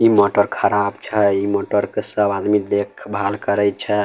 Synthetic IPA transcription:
imoʈəɾkʰəɾabt͡ʃʰɛimoʈəɾkesəbad̪mid̪ekʰbʱalkəɾɛjt͡ʃʰɛ

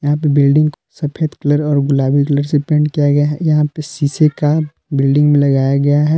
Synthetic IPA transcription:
jɐɦãp̬ebɪlɖɪ̃ŋɡkosɐpʰeːd̪kɐləɾɔːɾɡʊlaːbikɐləɾsepẽːɳɖkijaɡɐjaɦɛ̰jɐɦãpesiːseka | bɪlɖɪ̃ŋɡmẽlɐɡaːjaɡɐjaɦɛ

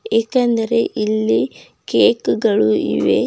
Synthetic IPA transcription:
eːkɐnd̪ɐɾeʔilːi | keːkɡɐɭuʔḭʋe

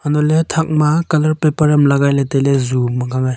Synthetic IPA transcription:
anɔletʰak̚makalɐɾpepɐɾamlaɡajlatelezumaɡaŋaj

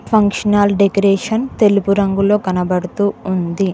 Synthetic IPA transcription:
pʰɐŋkʂɐnaːlɖekɐɾeːʂɐnt̪e̞lupuɾɐŋɡulo̞ːkɐnɐbɐɽut̪uːund̪i

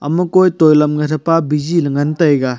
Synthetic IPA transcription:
ɐ̰mɐkojtojlɐmɡɐtʰɐpabid͡ʒilɐŋɐntɐjɡɐ

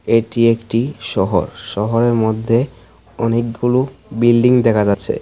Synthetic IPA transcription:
eʈiekʈiʃɔɦo̰ɾʃɔɦoɾeɾmod̪ʱːe | ɔnek̚ɡulubilɖiŋd̪ɛkʰad͡ʑatːɕʰḛ

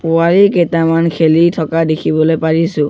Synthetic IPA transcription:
pʊaɹiketamankʰelitʰɔkadekʰibɔlojpaɹisʊ̃

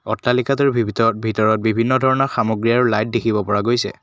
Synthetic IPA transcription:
ɔtːalikatuɹbʱibʱitɔtbʱitɔɹɔt̚bibʱinːɔdʱɔɹɔnɔɹxamoɡɹiaɹulajt̚dekʰibɔpɔɹaɡojsɛ̰

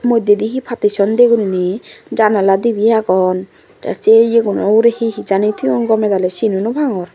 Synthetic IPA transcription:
mojd̪ed̪iɦipʰat̪isɔnd̪eɡuninid͡ʒanalad̪ibijakɔn | ta̰sejeɡunɔuɾehiɦid͡ʒanit̪ʰiɔnɡɔmɛd̪alɛsinunubʱaŋɔɾ

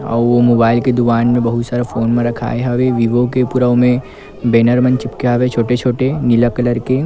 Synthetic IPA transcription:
ɔ̰ːɾʋomoːbaːɪlked̪ukaːnmẽbɐɦʊt̪saːɾefoːnmẽɾɐkʰa̰ːeɦɐʋeʋiʋokepʊɾəʋmẽ | beːnəɾmɐ̃nt͡ʃɪpkeɦɐʋet͡ʃʰoːʈet͡ʃʰoːʈenɪləkələɾke

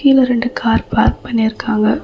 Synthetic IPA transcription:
iːlɐɾɛɳɖɯkʰaːɾpaːɾk̚pɐɳːiɪɾɯkːaːŋɡɐ

